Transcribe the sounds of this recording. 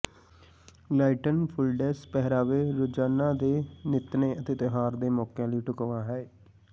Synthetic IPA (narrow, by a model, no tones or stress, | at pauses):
laːɪʈənpʰʊlɖɛːspɛɦɾaːʋeːɾʊd͡ʒaːnãːd̪eːnɪt̪neːət̪eːt̪ɪɦaːɾd̪eːmɔːkjãːliːʈʊkʋãːɦɛː